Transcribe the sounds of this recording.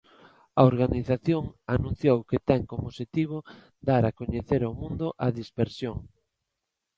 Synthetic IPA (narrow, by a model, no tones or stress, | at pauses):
aoɾɣaniθaθjoŋanũn̟θjowket̪ɛŋkomoʃet̪iβ̞o | d̪aɾakoɲeθeɾamũnd̪ʊʔɐðispeɾsjoŋ